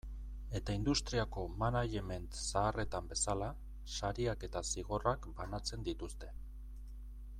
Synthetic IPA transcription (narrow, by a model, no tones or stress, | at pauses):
e̞t̪aind̪ust̪ɾiako̞manaje̞me̞nt̪saːre̞t̪ambe̞sala | saɾiake̞t̪asiɣ̞o̞rakbanat͡se̞nd̪it̪ust̪e̞